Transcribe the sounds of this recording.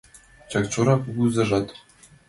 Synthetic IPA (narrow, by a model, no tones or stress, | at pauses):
t͡ɕɑkt͡ɕuɾɑpuzɤ̆ʐɑt̪